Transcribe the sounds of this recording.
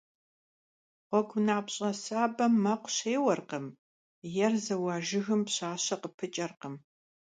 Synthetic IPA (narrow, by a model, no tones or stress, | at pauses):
qʷɔkʷʰʊnaːpɕʼɐsaːbɐmːɐqʷʊɕeːwɐrqəm | jɛrzɐwɑːʒɪɣɨmpɕaːɕɐqəpʰɨt͡ʃʼɐrqəm